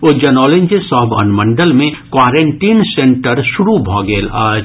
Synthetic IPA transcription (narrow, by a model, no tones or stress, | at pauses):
ʊd͡ʒɐnɔːlẽnd͡ʒesɔːbə̰nmə̃ɳɖəlmẽkwaːɾẽɳʈiːnsẽɳʈəɾʃʊɾubʱɔːɡeːlaː